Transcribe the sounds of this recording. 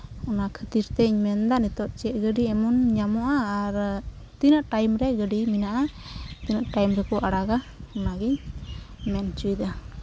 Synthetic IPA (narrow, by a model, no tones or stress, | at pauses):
ɔnakʰət̪iɾt̪ɛiɲmɛnd̪anit̪ɔʔ̪̚t͡ʃɛʔ̚ɡəɖiɛmɔnɲamɔʔaːɾ | t̪inaʔʈajmɾɛɡəɖiminaʔat̪inaʔʈajmɾɛkɔʔaɽaɡaɔnaɡiɲ | mɛnt͡ʃujd̪a